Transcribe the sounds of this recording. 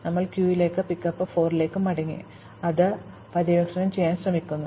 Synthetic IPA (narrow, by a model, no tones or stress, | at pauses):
nɐmːɐɭkjuːjile̞ːkːɨpikːɐpːɨfo̞ːrile̞ːkːɨmɐɽɐŋːḭ | ɐðɨ | pɐðɐjoːkʂɐnɐmt͡ɕejːaːnɕrɐmikʲːunːu